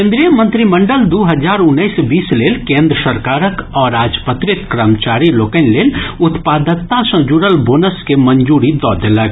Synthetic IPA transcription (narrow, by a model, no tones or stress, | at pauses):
ẽːnd̪ɾijəmə̃nt̪ɾimə̃ɳɖəld̪uːɦəd͡ʒaːɾʊnːəɪsbiːsleːlkẽːnd̪ɾəsəɾkaːɾəkɔːɾaːd͡ʒpət̪ɾɪt̪kɾəmt͡ʃaːɾiloːkə̃nleːlʊt̪paːd̪ət̪ãsɐ̃d͡ʒuɽəlboːnəskemə̃nd͡ʒuːɾid̪ɔːd̪eləɡ